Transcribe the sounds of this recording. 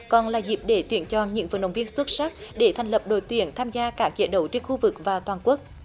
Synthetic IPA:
kɔ˨˩nlaː˨˩zi˨˩p̚ɗe˧˩t̪wi˧˩˦ənt͡ɕɔ˨˩ɲɨ̰˧˥ŋvə̰˨˩nɗə̰˧˨˦wŋ͡mvi˧ənswə˦˥t̚saː˦˥k̚ɗe˧˩t̪ʰɛ˨˩ŋ̟lə˨˩p̚ɗo̰˧˩˦jt̪wi˨˩˦ənt̪ʰaː˧mzaː˧kaː˦˥k̚t͡ɕə̰˧˩ɗə˨˧˦wt͡ɕe˧nxu˧vɨ˨˩k̚vaː˨˩t̪waː˨˩nku˦˥ək̚

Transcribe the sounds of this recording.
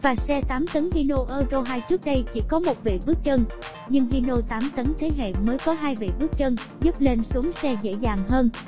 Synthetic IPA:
vaː˨˩sɛ˧t̪aː˨˦mt̪ə˨˦nɦi˧no˧ʔəː˧zo˧ɦaː˧jt͡ɕɨ˦˥ək̚ɗə˧jt͡ɕḭ˧˩kɔ˨˦mo˨˩t̚vḛ˧˨vɨ˦˥ək̚t͡ɕə˧n | ɲɨ˧ŋɦi˧no˧t̪aː˨˦mt̪ə˨˦nt̪ʰe˨˦ɦḛ˧˨məː˨˦jkɔ˨˦ɦaː˧jvḛ˧˨vɨ˦˥ək̚t͡ɕə˧nzu˦˥p̚le˧nsu˨˦əŋsɛ˧zḛ˧˥zaː˨˩ŋɦəː˧n

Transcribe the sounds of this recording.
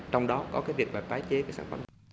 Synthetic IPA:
t͡ɕɔ˧wŋ͡mɗɔ˨˦kɔ̰˨˦kaː˨˦jvi˨˩ək̚ɓaː˨˩t̪aː˨˦jt͡ɕe˨˦kaː˨˦jsaː˧˩nfə̰˧˩˦

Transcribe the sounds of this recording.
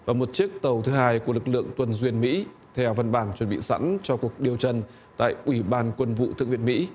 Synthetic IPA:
vaː˨˩mo˨˩t̚t͡ɕi˦˥ək̚t̪ə˨˩wt̪ʰɨ˨˦haː˧jku˧˩əlɨ˨˩k̚lɨ̰˧˨əŋt̪wə˧nzwi˧ənmḭ˧˥ | t̪ʰɛ˧wvə˧nɓaː˧˩nt͡ɕwə˧˩nɓḭ˧˨sa̰˧˥nt͡ɕɔ˧ku˨˩ək̚ɗi˨˩əwt͡ɕə˧n | t̪a̰ː˧˨jʔwi˧˩ɓaː˧nkwə˧nvṵ˧˨t̪ɨ̰˧˨ŋvḭ˧˨ənmḭ˧˥

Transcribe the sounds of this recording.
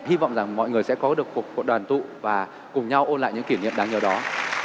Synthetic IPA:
hi˧va̰˧˨wŋ͡mza˨˩ŋmɔ̰˧˨jŋɨ˨˩əjsɛ̰˧˥kɔ˨˦ɗɨ˨˩ək̚ku˨˩t̚ku˨˩t̚ɗwaː˨˩nt̪ṵ˧˨vaː˨˩ | kʊ˨˩ŋ͡mɲa˧wʔo˧nla̰ː˧˨jɲɨ̰˧˥ŋki˧˩˨nḭ˧˨əmɗaː˨˦ŋɲə˨˩wɗɔ˨˦

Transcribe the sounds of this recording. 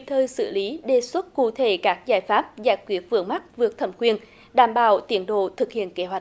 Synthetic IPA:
t̪ʰəː˧jsɨ̰˧˩li˨˦ɗe˧˩swə˦˥t̚kṵ˧˨t̪ʰe˧˩kaː˦˥k̚zaː˧˩jfaː˦˥p̚zaː˧˩jkwi˨˦˥ət̚vɨ̰˧˩əŋma˦˥t̚vɨ˨˩ək̚t̪ʰə˧˩mkwi˧ən | ɗaː˧˩mɓaː˧˩wt̪i˨˦ənɗo̰˧˨t̪ʰɨ˨˩k̚hḭ˧˨ənke˨˦ɦwa˨˩j̟̚

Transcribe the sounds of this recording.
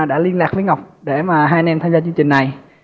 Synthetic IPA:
ɗa̰ː˧˥li˧ənlaː˨˩k̚fi˨˧˦ŋa˨˩wk͡p̚ɗe˧˩maː˨˩ɦaː˧jn˧ɛ˧mt̪ʰaː˧zaː˧t͡ɕɨ˧əŋt͡ɕï˨˩ŋ̟na˨˩j

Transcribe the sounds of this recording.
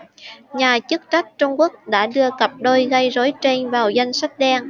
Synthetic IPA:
ɲaː˨˩t͡ɕɨ˦˥k̚t͡ɕa˦˥k̟̚t͡ɕʊ˧ŋ͡mku˦˥ək̚ɗa̰ː˧˥ɗɨ˧əkə˨˩p̚ɗo˧jɣə˧jzo˨˦jt͡ɕe˧nvaː˨˩wza˧jŋ̟sa˦˥k̟̚ɗɛː˧ŋ

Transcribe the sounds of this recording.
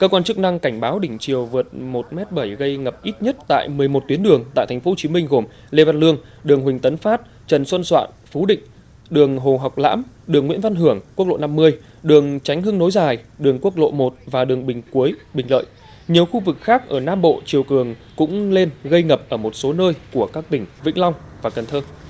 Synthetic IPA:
kəː˧kwaː˧nt͡ɕɨ˦˥k̚na˧ŋka˧˩jŋ̟ɓaː˨˦wɗï˧˩ŋ̟t͡ɕi˨˩əwvɨ˨˩ət̚mo˨˩t̚mɛ˦˥t̚ɓə˧˩jɣə˧jŋə˨˩p̚ʔi˦˥t̚ɲə˦˥t̚t̪a̰ː˧˨jmɨ˨˩əjmo˨˩t̚t̪wi˨˦ənɗɨ˨˩əŋt̪a̰ː˧˨jt̪ʰa˨˩ŋ̟fo˨˦t͡ɕi˨˦mï˧ŋ̟ɣo˨˧˩m | le˧va˧nlɨ˧əŋɗɨ˨˩əŋɦwï˨˩ŋ̟t̪ə˨˦nfaː˦˥t̚ | t͡ɕə˨˩nsə˧nswa̰ː˧˨n | fu˨˦ɗḭ̈˧˨ŋ̟ | ɗɨ˨˩əŋɦo˨˩ɦa˨˩wk͡p̚la̰ː˧˥m | ɗɨ˨˩əŋːw̰i˧˥nva˧nɦɨ˧˩əŋku˦˥k̚lo̰˧˨na˧mːɨ˧əj | ɗɨ˨˩əŋt͡ɕa˨˦jŋ̟ɦɨ˧ŋno˨˦jzaː˨˩jɗɨ˨˩əŋku˦˥ək̚lo̰˧˨mo˨˩t̚vaː˨˩ɗɨ˨˩əŋɓï˨˩ŋ̟ku˨˦əjɓï˨˩ŋ̟lə̰ː˧˨j | ɲi˨˩əwxu˧vɨ˨˩k̚xaː˦˥k̚ʔəː˧˩naː˧mɓo̰˧˨t͡ɕi˨˩əwkɨ˨˩əŋkʊ̰˧˥ŋ͡mle˧nɣə˧jŋə˨˩p̚ʔəː˧˩mo˨˩t̚so˨˦nəː˧jku˧˩əkaː˦˥k̚t̪ï˧˩ŋ̟vḭ˧˥ŋ̟lɔ˧wŋ͡m | vaː˨˩kə˨˩nt̪ʰəː˧

